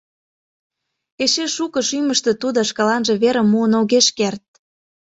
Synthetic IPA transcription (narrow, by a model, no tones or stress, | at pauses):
eʃeʃukɤ̆ʃyməʃt̪e̽t̪ud̪oʃkɑlɑnʒĕβeɾə̆muənoɣeʃkert̪̚